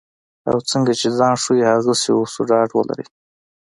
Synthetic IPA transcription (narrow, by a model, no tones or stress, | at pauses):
a̰wt͡səŋɡat͡ʃed͡zɑnʂujehaɣəseosoɖɑɖwə̰la̰ɾḭ